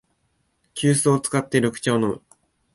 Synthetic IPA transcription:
kʲɨːsɨot͡sɨ̥kat̪ːeɾo̞kɯ̟̥t͡ɕaono̞mɯ̟̰

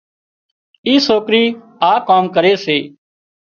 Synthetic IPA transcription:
iːsoːkɾiː | aːkaːmkəɾeːseː

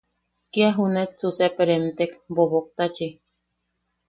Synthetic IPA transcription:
kiaɦunet͡susepeɾemt̪ekbobok̚t̪at͡ʃi

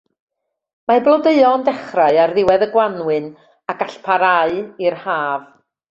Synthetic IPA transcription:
mablˠɔdeɨɔndɛχraɨarðɪwɛðəɡwanwɨn | aɡ̥aɬpʰaɾaɨirhaːv

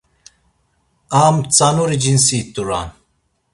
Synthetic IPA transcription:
aːmt͡sanuɾid͡ʒins̬iːt̪uɾa̰n

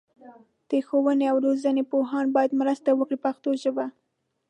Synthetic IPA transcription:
d̪̥əxowəneawɾozənepoɦɑnbɑjad̪mɾəst̪awəkɽipaxt̪oʒəba

